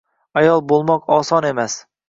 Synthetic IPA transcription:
ajɒlˠbolˠmɒqɒsɒne̞mas

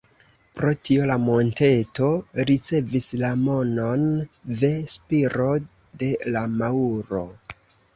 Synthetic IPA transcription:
pɾo̞tio̞lamo̞nte̞to̞ɾit͡se̞vislamo̞no̞nve̞spiɾo̞ | de̞lamauɾo̞̰

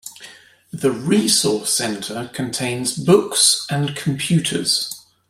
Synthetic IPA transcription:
ðəɹiːsɔˑsɛ̃ntʰəkʰə̃ntʰẽɪ̃nzbʊksə̃nkʰə̃mpʰj̥ʉˑtʰə̰z̥

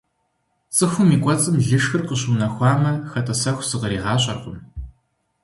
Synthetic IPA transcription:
t͡sʼɨxʷʊmiːkʷʼɔt͡sʼɨmɮɨʂxɨrqəɕuːnɐxʷɑːmɐxɐtʰʼɐsɐxʷsɨʁɐɾiːʁɑːɕʼɐrqʊm

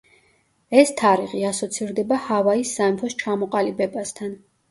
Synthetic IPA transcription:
ɛst̪ʰaɾiʁiasɔt̪sʰiɾd̪ɛbahavaisːaɛmpʰɔst͡ʃʰamɔqʼalibɛbast̪ʰan

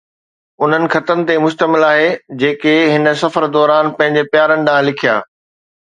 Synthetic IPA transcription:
ʊn̤ənɪ̆xɐt̪ənɪ̆t̪emʊʃt̪əmɪlaːɦed͡ʑeːkeɦɪnə̆sɐfəɾd̪ɔːɾaːnpɐ̃ɦɪ̃ɲd͡ʑepjaːɾənɪ̆ɗãːlɪkʰija̰ː

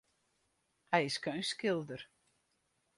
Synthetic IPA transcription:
hajɪskœɥnskɪlˠd̪əɾ

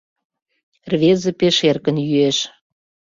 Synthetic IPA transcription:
rβezə̆peʃerkə̆njyeʃ

